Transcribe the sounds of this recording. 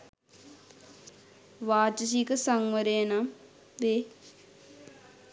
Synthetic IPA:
ʋaːt͡ʃəs̬iːkəsaŋʋəɾeːnam | d̪e

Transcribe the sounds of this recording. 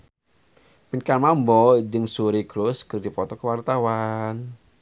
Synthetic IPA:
pinkamambɔd͡ʒɨŋsuɾiɡ̥ɾʊskərdipɔt̪ɔkəwart̪awan

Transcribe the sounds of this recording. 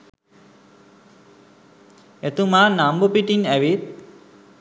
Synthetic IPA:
et̪umanambopiʈinɛʋit̪

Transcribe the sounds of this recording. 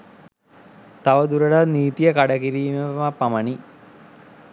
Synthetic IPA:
t̪aʋəd̪uɾəɖaniːt̪ijəkaɽəkiɾiːmeʋmapːaməni

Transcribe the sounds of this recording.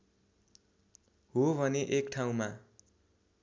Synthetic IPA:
ɦobʱʌneʔekʈʰaw̃ma

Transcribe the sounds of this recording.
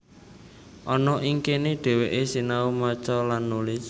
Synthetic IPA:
ʔɔnɔʔiŋkeneɖ̥e̤weʔesinaumat͡ʃɔlanːulɪs

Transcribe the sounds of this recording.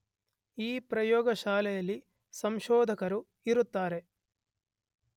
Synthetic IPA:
iːpɾɐjɔːɡɐʃaːlɛjɐlːi | sɐmʃɔːd̪ʱɐkɐɾu | iɾut̪ːaːɾe̞

